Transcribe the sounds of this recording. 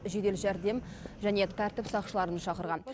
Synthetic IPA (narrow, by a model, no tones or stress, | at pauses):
ʒe̞d̪e̞lʒæɾd̪e̞m | ʒæne̞t̪ʰæɾt̪ɪpsɑqʃəlˠɑɾənʃɑqəɾʁɑn